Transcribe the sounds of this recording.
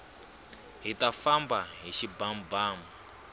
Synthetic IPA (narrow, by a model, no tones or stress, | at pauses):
ɦitafambaɦiʃibambaːmu